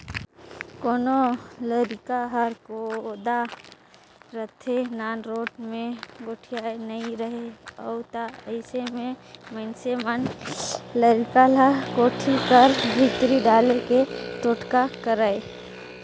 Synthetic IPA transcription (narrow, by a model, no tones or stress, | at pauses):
koːnoləɾɪkaɦəɾkod̪a | ɾət̪ʰenaːnɾoːʈmẽɡoʈʰijaenəĩɾəɦeəʊt̪aəɪsemẽmənsemən | ləɾkalakoːʈʰikəɾbʱɪt̪ɾiɖaːleket̪oːʈkakəɾae